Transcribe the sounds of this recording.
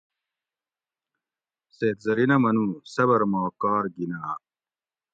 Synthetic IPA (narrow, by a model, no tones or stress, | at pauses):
seːt̪zɐɾinɐmɐnũsɐbɐɾmaːkaːɾɡinaː